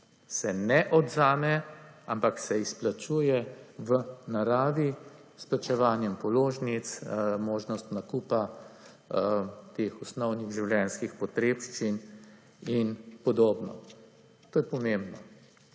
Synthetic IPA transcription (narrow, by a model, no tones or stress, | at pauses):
sɛnɛʔɔd̪zaːmɛampaksɛisplat͡ʃuːjɛʋənaɾaːʋi | splat͡ʃɛʋaːnjɛmpɔloːʒnit̪smoːʒnɔst̪nakupa | t̪eːxɔsnɔwniɣʒiwljɛnskixpɔt̪ɾeːpʃt͡ʃin | inpɔd̪oːbnɔ̰ | t̪oːjɛpɔmẽmbnɔ